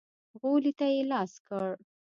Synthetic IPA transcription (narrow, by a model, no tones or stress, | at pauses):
ɣolit̪ajelɑskəɽ